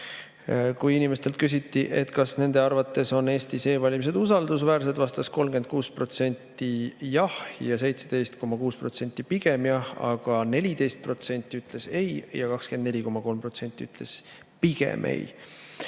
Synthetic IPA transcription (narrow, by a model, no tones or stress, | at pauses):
kujinime̞st̪elt̪kys̬ʲit̪ːˑiʔe̞t̪kɑsne̞nd̪e̞ɑrvɑt̪ːˑe̞so̞ne̞ːst̪ise̞ːvɑlʲimis̬e̞d̪̥usɑld̪̥us̬væːɾs̬ed̪vɑst̪ɑsko̞lmɡ̥ed̪̚kuːspro̞t̪se̞nʲt̪ːijɑhjɑs̬e̞jt̪sed̪̥e̞jst̪ko̞mːɑkuːspro̞t̪se̞nʲt̪ˑːipiɡ̥e̞mjɑhɑ̰ɡ̥ɑne̞lʲid̪e̞jst̪̚pro̞t̪se̞nʲt̪ːˑiyt̪ˑle̞se̞jjɑkɑkskend̪ne̞lʲiko̞mɑko̞lmpro̞t̪se̞nʲt̪ʲːˑiyt̪le̞s | piɡ̥ḛmʔḛj